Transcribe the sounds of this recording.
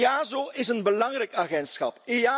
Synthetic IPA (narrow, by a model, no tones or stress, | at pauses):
aːzoɪsənbəlɑŋrɛjkaɣɛntsxɑ̰pea